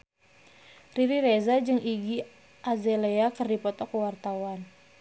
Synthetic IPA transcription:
riɾiɾezad͡ʒɨŋiɡi | ʔazeleakɨrdipɔt̪ɔkəwart̪awan

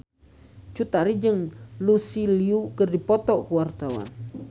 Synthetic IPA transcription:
t͡ʃut̪aɾid͡ʒəŋlusiliukərdipɔt̪ɔkuwart̪awa̰n

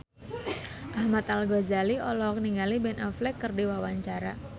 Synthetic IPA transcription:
ʔahmat̪alɡɔzaliɔlɔk̚niŋalibɛnaflɛkːərdiwawaɲt͡ʃaɾa

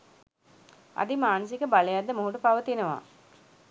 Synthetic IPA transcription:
a̰d̪imaːnəsikəbalejad̪ːəmoɦuʈupaʋət̪inəʋa̰ː

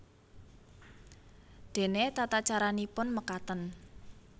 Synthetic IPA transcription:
d̪̥e̤net̪at̪at͡ʃaɾanipʊnməkat̪ən

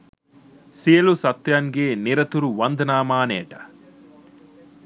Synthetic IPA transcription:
sijɐlusɐt̪ːjanɡeːniɾɐt̪uɾuʋɐnd̪ɐnaːmaːnɛːʈɐ̥

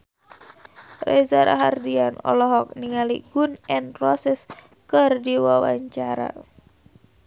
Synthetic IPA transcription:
rɛzaɾa̰ɦardianɔ̰lɔɦɔk̚niŋaliɡunɛnpɾɔsɛs | kərdiwawa̰ɲt͡ʃaɾa̰

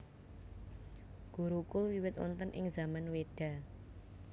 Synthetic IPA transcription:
ɡ̥uɾukʊlwiwɪt̪ɔ̰nt̪ənʔɪ̰ŋzamanweɖ̥a̤

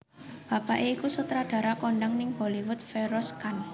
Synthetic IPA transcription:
b̥a̤paʔeikusut̪ɾad̪̥ä̤ɾakoɳɖəŋnɪŋholiwʊt̪̚feɾɔskan

